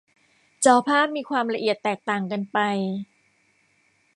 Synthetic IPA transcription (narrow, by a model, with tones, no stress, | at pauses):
t͡ɕaː˧wpʰaː˥˩p̚miː˧kʰwaː˧mɾa˧ʔi˨˩ət̪ːɛː˨˩k̚t̪aː˨˩ŋka˧npa˧j